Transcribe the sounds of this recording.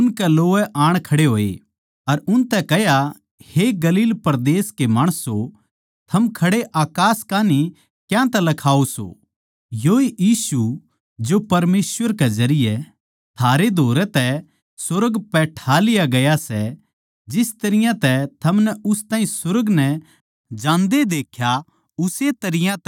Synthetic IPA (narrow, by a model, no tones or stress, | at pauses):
ʊnkɛloːʋɛʔaːɽ̃kʰɐɽeɦoːḛ | ɐɾʊnt̪ɛkɛja | heɡɐliːlpɐɾd̪eːskemaːɽ̃əso | t̪ʰɐmkʰɐɽeʔaːkaːskaːni | kjãt̪ɛlɐkʰaːoso̰ː | joːeʔjiːsu | d͡ʒopɐɾmeːsʋəɾkezɐɾɪjɛ | t̪ʰaːɾed̪ʱoːɾɛt̪ɛ | sʊɾəɡpɛːʈʰaːlɪjaɡɐjasɛ | d͡ʒɪst̪ɐɾɪjãt̪ɛt̪ʰɐmnɛʊst̪ãːĩsʊɾəɡnɛ | d͡ʒãːnd̪ed̪eːkʰja | ʊset̪ɐɾɪjãt̪